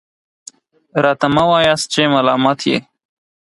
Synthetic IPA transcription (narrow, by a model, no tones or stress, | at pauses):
ɾat̪ɐmɐwaːjast͡ɕeːmɐlaːmat̪ʰjḛ